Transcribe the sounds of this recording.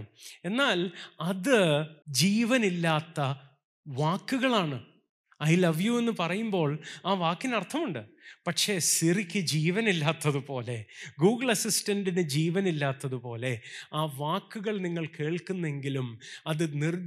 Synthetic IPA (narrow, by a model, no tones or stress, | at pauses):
e̞nːaːlɐðɨd͡ʑiːʋɐnilːaːt̪ːɐ | ʋaːkːuɣɐɭaːɳɨ | ɐjlɐʋjue̞nːɨpɐrɐjumbo̞ːɭaːʋaːkːinɐrt̪ʰɐmuɳɖɨpɐʈʂe̞ːsirikʲːɨd͡ʑiːʋɐnilːaːt̪ːɐðupo̞ːle̞ɡuːɡɐɭɐsistɐnɖinɨd͡ʑiːʋɐnilːaːt̪ːɐðupo̞ːle̞aːʋaːkːuɣɐɭniŋːɐɭke̞ːɭkunːe̞ŋɡilumɐðɨnir